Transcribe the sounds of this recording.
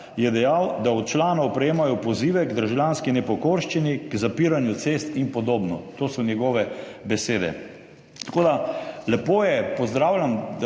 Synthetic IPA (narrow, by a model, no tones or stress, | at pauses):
jɛd̪ɛjawd̪aɔt̪̚t͡ʃlaːnɐwpɾɛjeːmajɔpɔziːʋɛɡd̪əɾʒljanskinɛpɔkoɾʃt͡ʃinikzapiɾanjut̪sest̪inpɔd̪oːbnɔ̰t̪oːsɔnjɛɡɔʋɛ | bɛseːd̪ɛ̰ | t̪ḁkoːd̪alɛpojɛpɔzd̪ɾaːwlʲjam